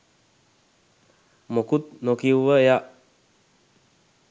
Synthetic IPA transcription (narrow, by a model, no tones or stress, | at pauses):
mokut̪̚nokiwʋəja